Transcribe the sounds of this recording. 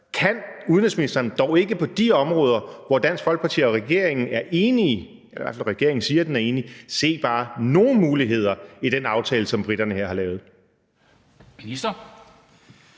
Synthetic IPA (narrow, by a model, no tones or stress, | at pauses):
kʰænuðˠn̩esminisd̥ɐnd̥ɒʊe̝ɡ̥əpʰɒ̽d̥iɒ̽mʁɔ̽ːð̞ˠɐʋɒd̥æn̰sɡ̥fɒ̽lɡ̥əpʰɑ̈t͡sʰḭɐɒ̽ʁɛɡ̥e̝ɐ̰e̝ŋn̩æɐʔeːni | eɐ̰ʋæɐfælʁɛɡ̥e̝ɐ̰e̝ŋn̩siːɐd̥enæɐe̝ːnise̝̰ːb̥ɑ̈ːno̝ːn̩muːliɦe̝ð̞̰ˠɐid̥enɑ̈ʊt͡sʰɛːləsɒ̽mb̥ʁid̥ɐnəheɐ̰hɑ̈lɛːʊð̞̩ˠ | minisd̥ɐ